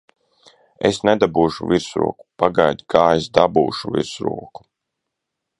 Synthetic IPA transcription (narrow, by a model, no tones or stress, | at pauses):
ḛsnɛd̪abuːʃṵviɾsɾṵɔku̥paɡajd̪ʲikʰaːesd̪abṵːʃuvḭɾsɾṵɔku̥